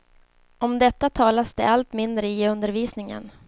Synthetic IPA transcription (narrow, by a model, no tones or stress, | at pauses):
ɔmd̪ɛt̪ːat̪ʰɑːlasd̪ɛ̰alt̪mɪnd̪ɾəɪɵnd̪əɾviːsnɪŋə̰n